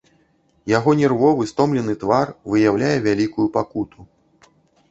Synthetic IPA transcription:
jaɣɔnʲɛrvɔvɨst̪ɔmlʲɛnɨt̪varvɨjawlʲajɛvʲalʲikujupakut̪ʰu

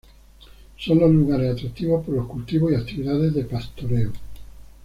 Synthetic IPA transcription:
sonlozluɣaɾesat̪ɾat̪ːiβospoɾloskult̪iβosiat̪iβiðaðezðepast̪oɾeo

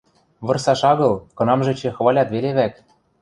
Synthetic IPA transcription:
βɤ̆rsɑʃɑɣɤ̆lˠkɤ̆nɑmʒɘ̆t͡ɕĕxβɑlʲɑt̪βeleβæk

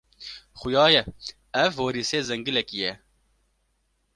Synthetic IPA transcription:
xʊjɑːjɛ | ɛvhoɾiːseːzɛŋɡɨlɛkijɛ

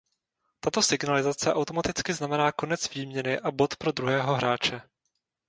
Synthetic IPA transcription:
t̪at̪o̞sɪɡnalɪzat͡sɛʔawt̪o̞mat̪ɪt͡skɪznamɛnaːko̞nɛt͡sviːmɲɛnɪʔabo̞t̪pɾo̞d̪ɾuɦɛːɦo̞ɦɾaːt͡ʃɛ

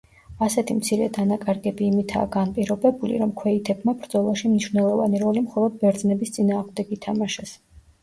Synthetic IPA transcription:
asɛt̪ʰimt̪sʰiɾɛd̪anakʼaɾɡɛbiːmit̪ʰa̰ːɡanpʼiɾɔbɛbulḭɾɔmkʰwɛit̪ʰɛbmabɾd̪zɔlˠaʃimniʃvnɛlˠɔvaniɾɔlimχɔlˠɔd̪̚bɛɾd̪znɛbist̪sʼinaːʁmd̪ɛɡit̪ʰamaʃɛs

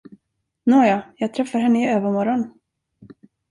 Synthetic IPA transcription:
noːjɑjɑːɡ̚t̪ʰɾɛfːaɾɦɛnːəɪøːvəɾmɔɾɔn

